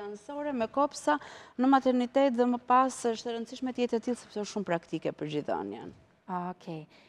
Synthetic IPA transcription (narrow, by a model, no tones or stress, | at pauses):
ansɔɾɛmɛkɔpsanəmat̪ɛɾnit̪ɛt̪ðɛməpasəʃt̪əɾənd̪siʃmɛt̪jɛt̪ɛt̪ilˠsɛpsɛɔʃtːʃumpɾakt̪ikɛpəɾd͡ʑiða̰njɛ̰n | ɔkʰɛ